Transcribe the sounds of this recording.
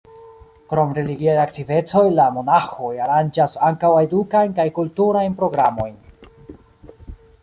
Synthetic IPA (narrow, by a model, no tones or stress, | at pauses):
kɾo̞mɾe̞liɡiajaktive̞t͡so̞jlamo̞naxo̞jaɾand͡ʒasaŋkawedukajnkajkultuɾajnpɾo̞ɡɾamo̞̰jn